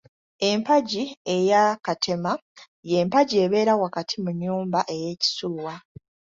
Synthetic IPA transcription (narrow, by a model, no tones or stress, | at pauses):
e̞mpaɟie̞jakatʰe̞ma | je̞mpaɟie̞βe̞ːɾawakatʰimuɲːuːmbaʔe̞je̞ːci̥sulwa